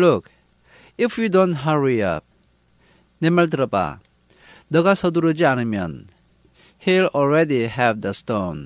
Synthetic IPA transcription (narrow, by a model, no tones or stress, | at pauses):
lʊk | ɪfjudõntɦaɹiʌ̰p̚ | nɛmɛlt̪ɾəpa̰ | d̪ʌɡasʌd̪uɾəd͡ʒianimjʌ̰n | hilɔlɹɛdiɦɛvd̪əstõn